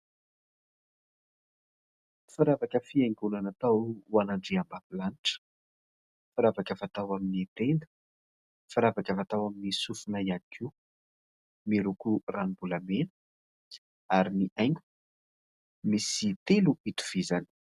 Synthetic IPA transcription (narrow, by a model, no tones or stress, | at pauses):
fiɾavakəfiajŋɡunanat̪awwanaɳɖ͡ʐiambapilaniʈ͡ʂə̥ | faɾavakəvat̪awaminit̪end̪ə̥ | faɾavakəvat̪awaminisufunaianikʰiw | miɾukuranibulamenə̥ | aɾiniʔajŋɡu̥ | misit̪eluit̪u̥v̥izani̥